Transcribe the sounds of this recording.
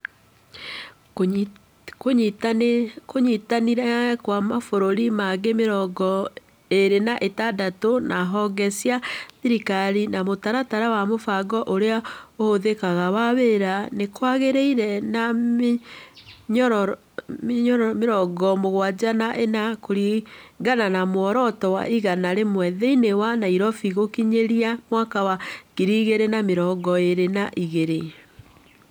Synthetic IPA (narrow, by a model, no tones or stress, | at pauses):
koɲitkoɲitaniɾɛkwamafoɾoɾimaɣemeɾɔɡɔ | eɾenaʔetadatonaɦɔɡɛsiaðiɾikaɾinamotaɾataɾawamofaɡɔʔoɾeaohoðekaɣawaβeɾanekwaɣeɾeiɾɛna | ɲɔɾ | mɲɔɾmeɾɔɡɔmoɣwad͡ʑanaʔenakoɾiɡananamwɔɾɔtɔwa̰iɣanaɾemwɛðɛinewanaiɾɔfiɣokiɲeɾiamwakawakiɾiɣeɾenameɾɔɡɔeɾenaʔiɣeɾe